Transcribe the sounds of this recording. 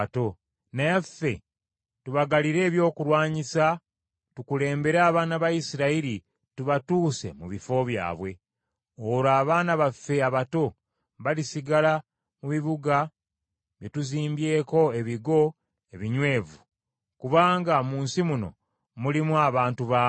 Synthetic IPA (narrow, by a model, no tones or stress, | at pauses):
to̞ | najafːe̞ | tuβaɡaliɾe̞ːβjo̞ːkulwaːɲisa | tukule̞ːmbe̞ɾaːβaːnaβajisiɾaiɾi | tuβatuːse̞̰muβifo̞βja̰ːβwe̞ | oɾaːβaːnaβafːe̞aβato̞ | βalisiɡala | muβiβuɡa | βje̞tuziːmbje̞ːko̞e̞βiɡo̞ | e̞βiɲwe̞ːvu | kuβaːŋɡamuːnsimuno̞̰ | mulimuaβaːntuβaː